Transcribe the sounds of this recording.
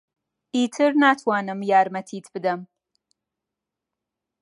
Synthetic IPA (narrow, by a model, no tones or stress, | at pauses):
iːtʰɨɾnaːtʰwaːnɨmjaːɾmɐt̪ʰiːt̪ʰb̥ɨd̪ɐm